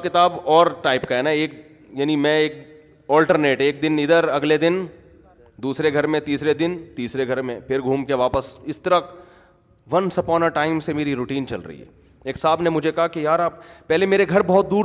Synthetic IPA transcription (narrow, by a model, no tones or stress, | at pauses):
kɪt̪aːbɔːɾʈaːɪpkaɦɛnaeːk | jaːnimɛ̃eːk̚ | ɔːlʈəɾneːʈeːk̚d̪ɪnɪd̪əɾɐɡled̪ɪn | d̪uːsɾeɡʱɐɾmẽt̪iːsɾed̪ɪnt̪iːsɾeɡʱɐɾmẽpʰɪɾɡʱuːmkeʋaːpəsɪst̪əɾə | ʋɐnsɐpɔːnəɾʈaːɪmsemeːɾiɾʊːʈiːnt͡ʃɐ̰lɾɐ̰ɦḭɦɛ̰ː | eːksaːbnemʊd͡ʒʱekɐɦakijaːɾaːp̚ːɛɦlemeːɾeɡʱɐɾbɔːt̪̚d̪uːɾ